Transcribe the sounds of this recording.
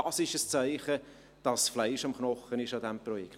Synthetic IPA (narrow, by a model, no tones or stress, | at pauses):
ɑsɪʃəst͡saɪχə | d̥ɑsflaɪʃɑmχnɔχənɪʃɑdɛmprɔjɛkt